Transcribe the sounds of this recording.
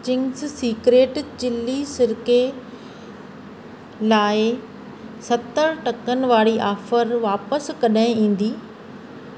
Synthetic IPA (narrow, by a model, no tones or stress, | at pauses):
t͡ɕɪ̃ŋssiːkɾeːʈd͡ʑɪlːisɪɾke | laːɪ | sɐt̪əɾʈɐkənɪ̆ʋaːɽiʔaːfəɾʋaːpəskɐɗaɦɪ̃ĩːn̆d̪iː